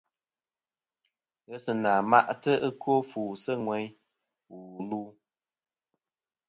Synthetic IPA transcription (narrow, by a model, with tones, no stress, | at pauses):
ɣɛ˦sɨ˨naː˨ma̰˦ʔtə˦ə˦ko˦fuː˨sə˦ŋwɛ˨˦ɲ | wu˨luː˦